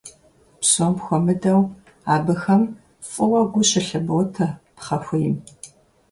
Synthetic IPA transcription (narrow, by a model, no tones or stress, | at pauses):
psoːmxʷɔmɨdɐw | aːbɨxɐm | fʼɨwɐɡʷʊɕɪɬɐbowtʰɐpχɐxʷʊjɪm